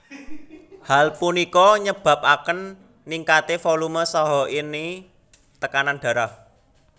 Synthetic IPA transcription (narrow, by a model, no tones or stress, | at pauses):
halpunikɔɲəb̥a̤p̚akənː | iŋkat̪efoluməsɔɦɔʔini | t̪əkananɖ̥ä̤ɾah